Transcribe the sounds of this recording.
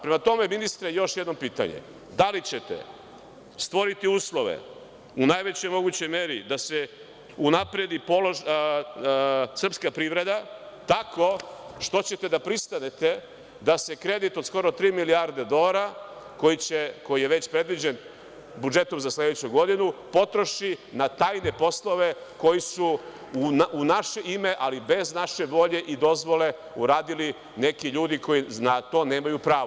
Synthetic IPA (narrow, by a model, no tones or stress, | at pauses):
pɾemat̪o̞me̞minist̪ɾejo̞ʃje̞d̪no̞piːt̪a̰ɲḛ | d̪alit͡ɕe̞t̪ḛ | st̪ʋoɾit̪iuːslˠo̞ʋḛ | unajʋe̞t͡ɕojmo̞ɡut͡ɕo̞jmeɾid̪ase | unapɾe̞d̪ipo̞lˠo̞ʒ | sr̩pskapɾiːʋɾe̞d̪at̪ako̞ʃt̪o̞t͡ɕe̞t̪e̞d̪apɾist̪anet̪e̞ | d̪ase̞kɾe̞d̪it̪od̪sko̞ɾot̪ɾiːmiliaɾd̪ed̪o̞ɾako̞jit͡ɕeko̞jije̞ʋe̞t͡ɕpɾe̞d̪ʋid͡ʑe̞n | bud͡ʒe̞t̪o̞mzasled̪et͡ɕuɡo̞d̪inupo̞t̪ɾo̞ʃinat̪aːjne̞po̞slˠo̞ʋe̞ko̞jisu | uunaʃeʔime̞ʔalibe̞znaʃe̞ʋo̞ʎe̞ʔid̪o̞zʋo̞le̞ | uɾaːd̪ili | ne̞kiʎuːd̪iko̞jinat̪o̞ːne̞ːmajupɾaːʋo